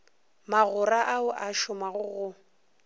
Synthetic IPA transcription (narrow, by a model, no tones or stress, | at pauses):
maɣʊraʔaʊʔaʃʊmaɣʊɣʊ